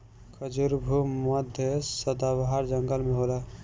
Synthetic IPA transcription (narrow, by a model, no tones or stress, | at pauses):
kʰəd͡ʒuɾbʱuməd̪ʱjəsəd̪abɦaɾd͡ʒəŋɡəlmeɦola